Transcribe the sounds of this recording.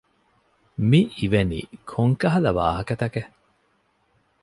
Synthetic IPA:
miːʋenḭːkʰoŋkɐɦɐlɐʋa̰ːɦɐkɐt̪ɐke

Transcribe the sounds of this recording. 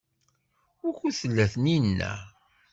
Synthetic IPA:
ʊɾçuθəlːæθəninːæ̰

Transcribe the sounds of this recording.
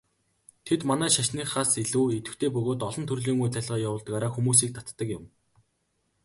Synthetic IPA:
t̪ʰet̪manæːʃaʃniːχaːseɮuːet̪ɘ̥̆xt̪ʰeːp̬ɵɣoːt̪ɔɮɞ̆nt̪ʰɵrɮiːŋujt̪æɮʁɔːjawʊːɮt̪ɣaːɾaːxumuːs̬iːk̚t̪ʰat̪ːə̆kjɪ̆m

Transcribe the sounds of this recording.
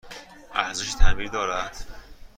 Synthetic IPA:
ʔæɾzeʃt̪ʰæbiːɾd̪ɒːɾæd̪̥

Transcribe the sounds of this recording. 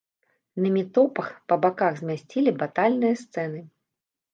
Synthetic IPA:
nɐmʲit̪ɔpɐxpɐbakaɣzʲmʲasʲt͡sʲilʲibat̪alʲnɨjɐst̪sɛnɨ

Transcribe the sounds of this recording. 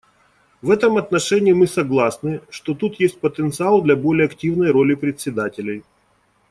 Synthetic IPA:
vɛt̪əmɐt̪nɐʂɛnʲɪːmɨsɐɡlˠasnɨʂt̪ot̪ut̪jesʲt̚ʲpət̪ənt̪sɨalˠd̪lʲɐbo̞lʲɪjəɐktʲivnəjɾolʲɪpɾʲɪt̪ʲsʲːɪd̪atʲɪlʲɪj

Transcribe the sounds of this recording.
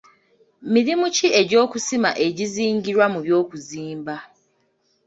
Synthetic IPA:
miɾimucieɟo̞ːkusima̰ʔe̞ɟiziːŋɟiɾwamuβjo̞ːkuziːmba

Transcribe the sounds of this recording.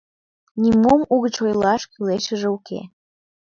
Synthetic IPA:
nimomuɣət͡ɕojlɑʃkyleʃəʒeukḛ

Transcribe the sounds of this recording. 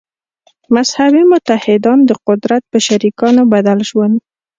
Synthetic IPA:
mashabimʊt̪ahɪd̪ɑnd̪əqʊd̪ɾat̪̚pəʃaɾikɑnobad̪alʒwand̪

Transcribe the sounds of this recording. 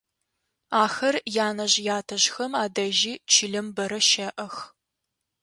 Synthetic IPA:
aːxɐrjaːnɐʑjaːtʰɐʑxɐmaːdɐʒiːt͡ʃʰiɮɐmbɐɾɐʃɐʔɐx

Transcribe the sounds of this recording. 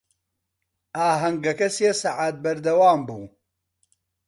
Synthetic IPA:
aːɦɐŋɡɐkɐsesaʕaːt̪̚bɐɾd̪ɐwaːmbuː

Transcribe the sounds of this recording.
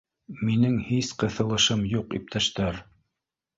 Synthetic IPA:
minɘŋhisqɤ̆θɤ̆lˠɤ̆ʃɤmjuqḭp̚t̪ʰæʃt̪æɾ

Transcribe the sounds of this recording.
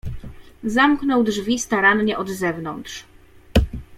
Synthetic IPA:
zamknɔwdʐvʲist̪aɾanɲɛʔɔd̪zɛvnɔnt̪ʂ

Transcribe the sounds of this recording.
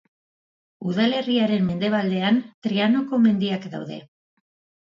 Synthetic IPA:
uðale̞riaɾe̞mme̞nd̪e̞β̞ald̪e̞ant̪ɾiano̞ko̞me̞nd̪iakd̪a̰wðe̞̰

